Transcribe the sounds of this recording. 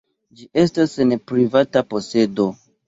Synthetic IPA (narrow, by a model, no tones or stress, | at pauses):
d͡ʒiʔe̞stasenpɾivatapo̞se̞do̞